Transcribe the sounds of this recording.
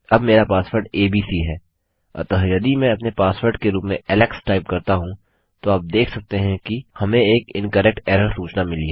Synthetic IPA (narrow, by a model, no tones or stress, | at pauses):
ɐbmeːɾapaːswəɾɖeːbiːsiɦɛː | ɐ̰t̪ɐɦjɐd̪imɛ̃ɐpnepaːswəɾɖkeɾuːpmẽʔɛːlɛksʈaːɪpkɐɾt̪aɦũ | t̪oaːp̚d̪eːkʰsɐk̚t̪eɦɛ̃kihɐmẽeːkɪ̃nkəɾɛk̚ʈɛːɾəɾsuːt͡ʃnamɪliɦɛ